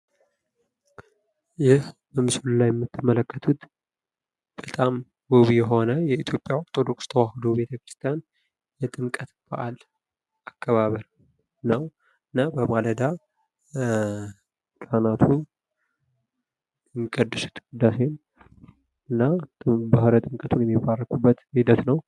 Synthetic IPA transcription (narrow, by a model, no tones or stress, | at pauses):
jɪhbəmɨsullajɛmːɨt̪ʰːɨmːələkːət̪ʰut̪ | b̥ət̪ʼam | woβijɛɦo̞nəjɛit̪ʰjo̞pʼːjaoɾt̪ʰo̞d̪o̞kst̪ʰəwahɨd̪obe̞t̪ʰəkɾɨst̪ʰijan | jɛt̪ʼɨmkʼət̪b̥ə̰ʔal | akːəβaβəɾ | nəw | ɨnːabəmaləd̪a | kʼanat̪ʰu | ŋkʼəd̪ːɨsu̥t̪ɡud̪ːasen | ɨnːabəhəɾət̪ʼɨmkʼət̪ʰunjɛmːibːarːəkʼubːət̪hid̪ət̪nəw